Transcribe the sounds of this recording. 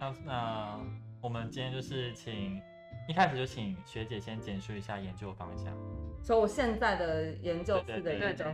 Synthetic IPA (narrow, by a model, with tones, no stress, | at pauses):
na˥˩na˥˧wɔ˨˩mə˦nt͡ɕi˥njɛ˥nt͡ɕjo˥˧ʊʂɻ̩˥˩t͡ɕʰi˨˩ŋ | i˥˩kʰa˥ʂɻ̩˩jo˥˩ʊt͡ɕʰi˨˩ŋɕɥɛ˧˥t͡ɕjɛ˨˩˦ɕjɛ˥nt͡ɕjɛ˨˩nʂu˥˩i˧˥ɕja˥˩jɛ˧˦˥nt͡ɕjo˥˧ʊfɑ̰˥ŋɕjɑ̰˥˩ŋsɔ˧˥wɔ˨˩ɕjɛ˥˧nt͡sa˥˩ɪd̪ə˩jɛ˧˥nt͡ɕjo˥˧ʊwe˥ɹ̩˥˩d̪ə˧˥˧